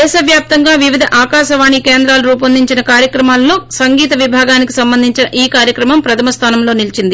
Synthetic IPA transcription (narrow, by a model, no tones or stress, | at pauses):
d̪ɛːʃɐʋjaːp̚t̪ɐŋɡaːʋiʋid̪ʱɐʔaːkaːʃɐʋaːɳikeːnd̪ɾaːluɾuːp̬ɐnd̪ʱiɲt͡ʃinɐkaːɾjɐkɾɐmaːlːo̞ːsɐŋɡiːt̪ɐʋibʱaːɡaːniki̥sɐmbɐnd̪ʱiɲt͡ʃinɐʔiːkaːɾjɐkɾɐmɐmpɾɐt̪ʰɐmɐst̪ʰaːnɐmlo̞ːnilt͡ʃind̪i